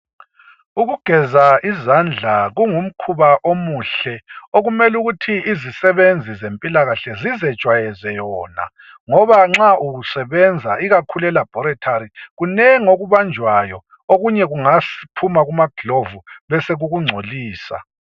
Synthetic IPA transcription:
uɣuɡ̥ʱɛzaʔizand͡ɮʱaɣuŋum̩kʰuβaʔomuɬɛoɣumɛluɣutʰiːzisɛβend͡zʱizempʼilaɣaɬɛzizɛ̥t͡ʃʼwajɛzɛjɔːna̰ | ŋɔβaŋ͡ǁaʔuɣusɛβɛnd͡zʱaiɣakʰulɛlab̥ʱɔɾɛtʰaɾiɣunɛŋoɣuβand͡ʒʱwajɔ | oɣuɲɛɣuŋasi̥pʰumaɣumaɡ̥ʱɮovuβɛseɣuɣuŋ͡ǀʱoliːsa̰

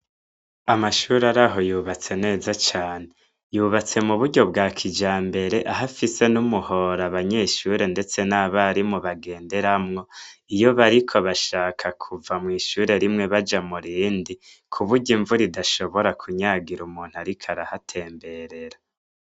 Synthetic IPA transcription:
amaʃuɾaɾaɦo̞juːβat͡se̞ne̞ːzat͡ʃaːne̞ | juːβat͡se̞muβuɾɟo̞bɡaːkʰid͡ʒaːmbe̞ɾe̞ʔaɦafise̞numuho̞ɾaβaɲe̞ʃuɾe̞nde̞t͡se̞naβaɾimuβaɡe̞ːnde̞ɾamŋo̞ijo̞βaɾikʰo̞βaʃaːkʰakʰuvamŋiːʃuɾe̞ɾimŋe̞βad͡ʒamuɾiːndi | kʰuβuɟiɱvuɾidaʃo̞βo̞ɾakʰuɲaɡiɾumuːn̥huaɾikʰaɾahatʰe̞ːmbe̞ɾe̞ɾa

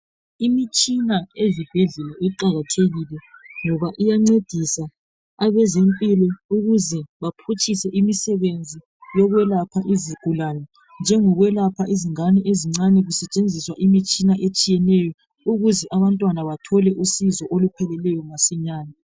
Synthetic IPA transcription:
imit͡ʃʼinaezib̥ʱeɮɛlɛʔiǃaɣatʰeɣilɛŋɔβaʔijaŋ͡ǀed̥ʱisa | aβɛzempʼilɔuɣuzɛβapʰut͡ʃʼisɛʔimisɛβend͡zʱi | jɔɣwɛlapʰaʔiziɡ̥ʱulanɔ | nd͡ʒʱɛŋɔɣwɛlapʰaʔiziŋanɛʔeziŋ͡ǀanɛɣusɛt͡ʃʼend͡zʱiswaʔimit͡ʃʼinaʔet͡ʃʼijɛnɛjɔ | uɣuzɛʔaβantʼwanaβatʰɔlɛʔusizɔʔolupʰɛlɛlɛjɔŋasiɲaːnɛ

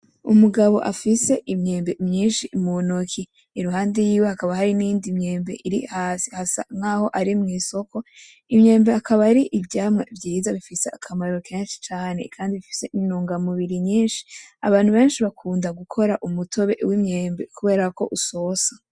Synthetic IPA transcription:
ṵmuɡaβo̞̰ʔafise̞ʔimɲe̞ːmbe̞mɲiːnʃimuonokʰi | iɾuɦaːndejiːwe̞hakaβaɦaɾinijiːndimɲe̞ːmbe̞̰ʔiɾḭhaːsihasa̰ŋ̥aːho̞ʔaɾimŋiːso̞ko̞ | imɲe̞ːmbe̞akʰaβaɾiʔivɟaːmŋevɟiːzaβifise̞akʰamaɾɾokʰeːnʃi̥t͡ʃaːne̞̰kʰaːndiβifi̥se̞ʔinuːŋɡamuβiɾiɲiːnʃi̥a̰βaːnhuβe̞ːnʃiβakʰuːndaɡukʰo̞ɾaʔumutʰo̞βe̞̰wimɲeːmbe̞kuβe̞ːɾako̞̰ʔusosḁ

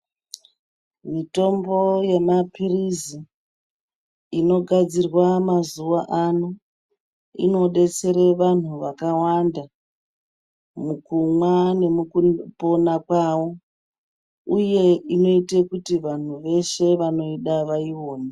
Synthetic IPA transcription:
mito̞mbo̞jemapirizi | ino̞ɡʱad͡zirwamazuʋaʔano | ḭno̞ɗe̞t͡se̞ɾeʋan̤uʋakawanda | mukumwane̞mupo̞nakwawo̞ | uje̞ino̞itekutiʋan̤uʋe̞ʃe̞ʋano̞iɗaʋaiwo̞ːne

